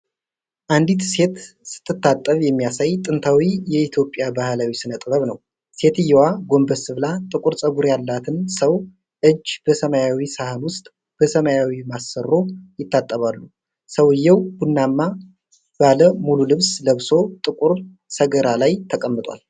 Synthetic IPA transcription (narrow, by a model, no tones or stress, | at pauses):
ʔand̪it̪se̞t̪ | sɨ̥t̪ʰːɨt̪ːat̪ʼːəβjɛmːijasajt̪ʼɨnt̪ʰawijɛit̪ʰjo̞pʼjabahlawisɨnət̪ʼɨβəβnəw | se̞t̪ɨjːɛwaɡo̞mbəsɨβlat̪ʼɨkʼuɾsʼəɡuɾjalːat̪ʰɨnsəw | ʔɨd͡ʒːb̥əsəmajawisahɨnwʊst̪ʼ | b̥əsəmajawimasːəro̞jɪt̪ʰːat̪ʼːəβalːu | səwɨjːɛwb̥unːamːa | b̥aləmululɨβsləβso̞t̪ʼɨkʼuɾ | səɡəɾalajt̪ʰəkʼəmːɨt̪ʼwa̰l